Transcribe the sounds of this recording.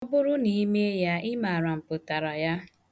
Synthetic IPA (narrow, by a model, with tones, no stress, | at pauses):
ɔ˦bʊ˦ɾʊ˦ni˨˦me˦ja˦ɪ˦ma˨ɾa˨m̩˨pʊ˨ta˨ɾa˨ja˦